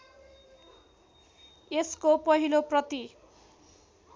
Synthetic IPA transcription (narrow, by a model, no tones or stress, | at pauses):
eskopʌɦiloprʌt̪i